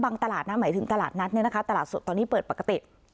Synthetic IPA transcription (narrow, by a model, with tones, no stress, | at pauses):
baː˧ŋt̪a˧laː˨˩t̪̚na˦˥maː˩˦jt̪ʰɯ˩˦ŋt̪a˧laː˨˩t̪̚na˦˥t̪̚ni˥˩na˦˥kʰa˦˥t̪a˧laː˨˩t̪̚su˨˩t̪ɔː˧niː˦˥pɤː˨˩t̪̚pa˨˩ka˧t̪ḭ˨˩